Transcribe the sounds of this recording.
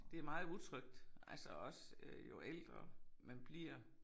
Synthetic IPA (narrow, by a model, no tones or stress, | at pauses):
d̥e̝æɐmɑ̈ːð̩ˠut͡sʰʁœɡ̥̚d̥ælsɒɒ̽sjo̝ʔeld̥ʁɐmænb̥liɐ̰